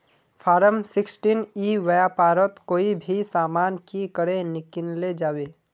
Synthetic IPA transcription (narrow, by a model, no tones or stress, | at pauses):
fʰaːɾəmsɪksʈiːniːʋɐjapaːɾət̪koːibʱisaːmaːnkikəɽenɪkɪnled͡ʒaːweː